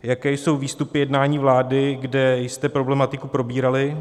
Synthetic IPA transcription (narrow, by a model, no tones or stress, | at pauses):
jakɛːjso̞wviːst̪upɪjɛdnaːɲiːvlaːdɪɡdɛjst̪ɛpɾo̞blɛmat̪ɪkupɾo̞biːɾalɪ